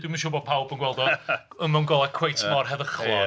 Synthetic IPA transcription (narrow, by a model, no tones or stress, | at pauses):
dwimənʃʊbɔ̥pʰawbəŋɡwɛlˠdɔ | əmawnɡɔlˠɛkʰw̥ejtʰmɔrɦɛðəχlˠɔ